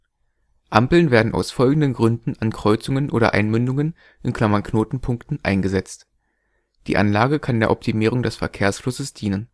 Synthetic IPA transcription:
ʔampl̩nveːɐdn̩ʔa̰ʊsfɔlɡŋ̩dənɡʁʏndn̩ankʁ̥ɔʏt͡sʊŋənʔoːɾɐ̰ʔaɪnmʏndʊŋən | ʔɪnkʰl̥amankʰnoːtn̩pʰʊŋktn̩ʔa̰ɪnɡəzɛt͡st | d̥ḭːʔa̰nlaːɡəkʰandeːɐʔɔp̚tʰimiːʁ̞ʊŋdɛsfɛɐkʰeːɐsflʊsəsd̥iːnən

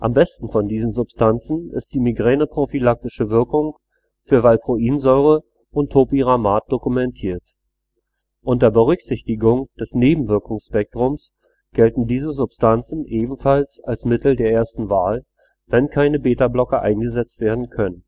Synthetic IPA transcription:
ʔa̰mbɛstn̩fɔndiːzn̩zʊpstʰant͡sn̩ɪ̰st̚d̥iːmiɡʁɛːnəpʁ̥ofilak̚tɪʃəvɪɐkʊŋ | fyːɐvalpʁ̥oʔiːnzɔʏʁə | ʔʊntʰːoːpiʁamaːt̚d̥okumɛntʰiːɐt | ʔʊntəɐbəʁʏçz̥ɪçtɪɡʊŋd̥ɛsneːbm̩vɪɐkʊŋsʃpɛk̚tʁ̥ʊms | ɡ̥ɛltn̩diːzəzʊpstʰant͡sn̩ʔeːbm̩falsalsmɪtl̩deːɐeːɐstn̩vaːl | vɛnkʰaɪnəbeːtablɔkɐʔa̰ɪnɡəzɛt͡stv̥eːɐdn̩kʰœnən

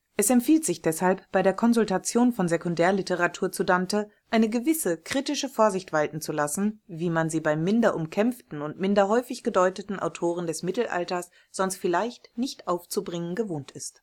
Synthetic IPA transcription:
ʔɛsɛmtfiːltz̥ɪçd̥ɛshalpb̥aɪɾeːɐkʰɔnzʊltat͡sjoːnfɔnzekʊndɛːɐlɪtəʁatʰuːɐt͡sudantəʔaɪnəɡəvɪsəkʁ̥itɪʃəfoːɐzɪçtv̥altn̩t͡sulasn̩viːmanziːbaɪmːɪndɐʔʊmkʰɛmftn̩ʊntmɪndɐɦɔʏfɪçɡ̥ədɔʏtətn̩ʔa̰ʊtʰoːʁ̞əndɛsmɪtl̩ʔa̰ltɐs | z̥ɔnstfɪlaɪçtnɪçtʔaʊft͡subʁɪŋənɡəvoːntɪst

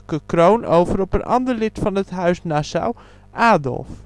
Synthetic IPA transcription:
kəkrownowvərɔpənʔɑ̰ndərlɪtfɑnətɦœɥsnasa̰w | ʔaːdɔ̰lˠf

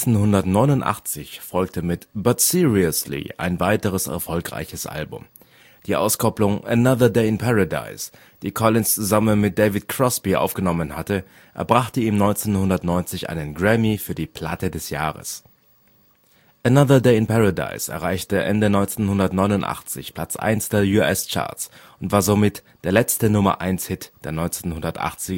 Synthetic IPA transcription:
t͡senɦʊndɐtnɔʏnʊntʔa̰χt͡sɪçfɔlk̚tʰəmɪtb̥atsiʁiʊslḭa̰ɪnvaɪtəʁ̞əsɛ̰ɐfɔlkʁa̰ɪçəsʔa̰lbʊ̰m | d̥iːʔa̰ʊskʰɔplʊŋənaðɐdeɪɪnpʰaʁada̰ɪs | d̥iːkʰɔlɪnst͡suzamənmɪt̚d̥eːvɪt̚kʰʁ̥ɔsb̥iʔa̰ʊfɡ̥ənɔmənhatə | ʔɛ̰ɐbʁaχtəiːmnɔʏnt͡seːnhʊndɐtnɔʏnt͡sɪçʔa̰ɪnənɡʁɛmifyːɐdiːpʰl̥a̰tədɛsja̰ːʁə̰s | ʔənaðɐdeɪɪnpʰaʁada̰ɪsɛ̰ɐʁ̞aɪçtəʔɛ̰ndənɔʏnt͡senhʊndɐtnɔʏnʊntʔa̰χt͡sɪ̰çpʰl̥at͡sʔa̰ɪnsd̥eːɐjuɛst͡ʃa̰ːɐs | ʊntv̥aːɐzomɪtd̥eːɐlɛt͡stənʊmɐ̰ʔa̰ɪnshɪtd̥eːɐnɔʏnt͡senhʊndɐtʔa̰χt͡sɪɡ

